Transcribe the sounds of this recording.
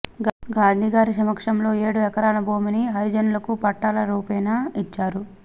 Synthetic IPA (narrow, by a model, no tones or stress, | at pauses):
ɡaːnd̪ʱiːɡaːɾisɐmɐkʂɐmlo̞ːe̞ːɽuɛkɐɾaːnɐboːminiɦɐɾid͡ʒɐnulɐkupɐʈːaːlɐɾuːpɛːjnait͡ʃːaːɾu